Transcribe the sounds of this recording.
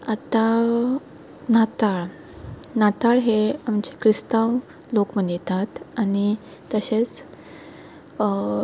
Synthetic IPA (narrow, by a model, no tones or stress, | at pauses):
at̪a | nat̪aɭ | nat̪aɭɦeamt͡ɕekɾist̪aw | lokmənit̪at̪aɽ̃i | t̪əɕet͡s